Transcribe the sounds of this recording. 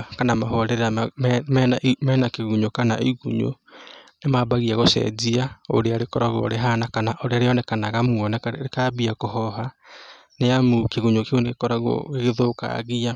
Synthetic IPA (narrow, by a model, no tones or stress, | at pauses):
kanamahɔɾeɾamɛnamɛːnakeɣuɲokana̰ʔiɣṵɲo̰ | nemabaɣiaɣosɛ̰d͡ʒiao̰ɾeaɾekɔɾaɣo̰ɾeɦanakanaʔoɾeaɾeɔnɛkanaɣamuɔnɛekaβiakohɔɦa | neamukeɣuɲokeonekɔɾaɣo̰eɣeðoka̰ɣia